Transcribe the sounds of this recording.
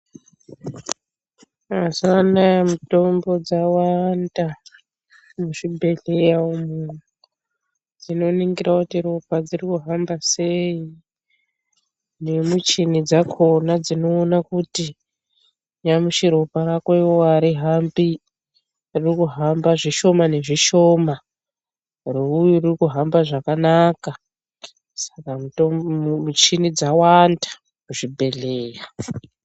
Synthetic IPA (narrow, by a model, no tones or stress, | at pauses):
azanaamuto̞mbo̞d͡zawanda | muʂibʱe̞ɮejaomunuu | d͡zino̞niŋɡiɾakutiɾo̞pad͡zirikuɦambasei | ne̞mut͡ʃinid͡zakʰo̞nad͡zino̞ːnakuti | ɲamuʃiɾo̞parakoiwoaɾiɦambi | ririkuɦambaʐiʃo̞mane̞ʐiʃo̞ma | reujuririkuɦambaʐakanaka | sḁkamutomut͡ʃinid͡zawandḁ | kuʐibʱe̞ɮeːja